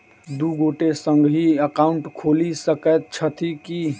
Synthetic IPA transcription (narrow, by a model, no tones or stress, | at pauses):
d̪uɡoʈesə̃ŋɡɦiəkaʊɳʈkʰoːlisəkət̪̚t͡ʃʰət̪ʰiki